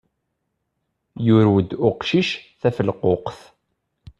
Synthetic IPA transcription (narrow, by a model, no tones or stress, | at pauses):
jʊɾwəd̪ʊqʃiʃθæfəlqoqθ